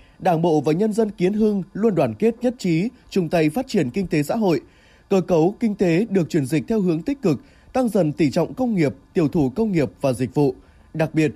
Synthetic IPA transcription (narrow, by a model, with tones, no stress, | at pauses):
ɗaː˧˩nɓo̰˧˨vaː˨˩ɲə˧nzə˧nki˨˦ənɦɨ˧ŋlu˧ənɗwaː˧˩nke˦˥t̚ɲə˦˥t̚t͡ɕi˨˦ | t͡ɕʊ˧˩ŋ͡mt̪a˧˩jfaː˦˥t̚t͡ɕi˧˩ənki˧ŋ̟t̪e˨˦sa̰ː˧˥ɦo̰˧˨j | kəː˨˦kə˨˦wkï˧ŋ̟t̪e˨˦ɗɨ˨˩ək̚t͡ɕwi˧˩ənzï˨˩k̟̚t̪ʰɛ˧wɦɨ˨˦əŋt̪ï˦˥k̟̚kɨ˨˩k̚ | t̪a˧ŋzə̰˧˨˩nt̪i˧˩t͡ɕɔ̰˧˨wŋ͡mkə˧wŋ͡mŋi˨˩əp̚t̪i˧˩əwt̪ʰu˧˩kə˧wŋ͡mŋi˨˩əp̚vaː˨˩zï˨˩k̟̚vṵ˧˨ | ɗa˨˩k̚ɓi˨˩ət̚